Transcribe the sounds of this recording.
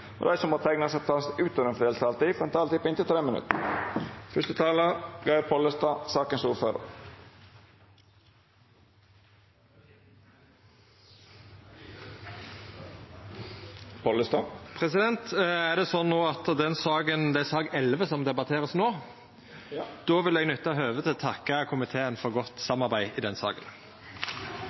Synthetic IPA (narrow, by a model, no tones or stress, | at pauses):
ɔ̰d̪æ̰ɪsɔmoːt̪ʰɛɡnəsɛpt̪ʰɑnsʉːt̪ɔənfd̪eːlsəɑlt̪iːfɔɾɛnt̪ʰɑːlt̪ɪpːɔɪnt̪ɪlt̪ɾeːmənʉ̰t̪ə | fœst̪ət̪ʰɑːləɡɑɪpʰɔləst̪ɑːsɑːkənsuːɾføːɾə̰ | pʰɔləst̪ɑːpʰʁɛsɪd̪ɛnt̪æʁd̪ɛsɔnːoːɑt̪d̪ɛnsɑːɡənd̪ɛæsɑːɡɛlʋəsɔmd̪ɛbɑt̪ʰeːʁəsnoː | d̪̥oːʋɪlɛɡnʉt̪ːɑɦøːʋət̪ʰɪlt̪ʰɑkːɑkʰʊmɪt̪ʰeːənfɔʁɡɔt̪sɑmɑʁbæɪɪd̪ɛnsɑ̰ːɡə̰n